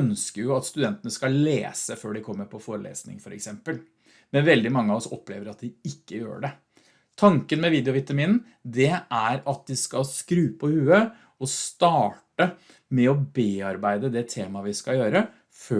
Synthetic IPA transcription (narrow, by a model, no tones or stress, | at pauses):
œnskəɾjʊɑt̪st̪ʉd̪ɛnt̪ənəskɑlḛːsəføːɖɪkʰɔmːəɾpʰɔfoːɾəlḛːsnɪ̰ŋfɔɾʔɛ̰ksɛmpəl | mɛnʋɛld̪ɪmɑŋːəɑɔsɔ̰pːleːʋəɾɑt̪̚d̪ɪɪkːəjø̰ːɖɛ | t̪ʰɑŋkənmɛʋiːd̪jʊʋɪt̪ɑmiːnn̩ | d̪ɛæɾɑt̪̚d̪ɪskɑlskɾʉːpʰɔhʉːə | ɔst̪ɑːʈə | mɛɔbeːɑɾbæɪd̪əd̪ɛt̪ʰeːmɑʋɪskɑjøːɾə | fø